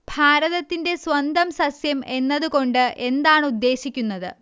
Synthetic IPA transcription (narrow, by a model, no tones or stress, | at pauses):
bʱaːɾɐðɐt̪ːinde̞sʋɐnd̪ɐmsɐsjɐme̞nːɐðuko̞ɳɖɨʔe̞nd̪aːɳud̪ːe̞ːɕikʲːunːɐðɨ̰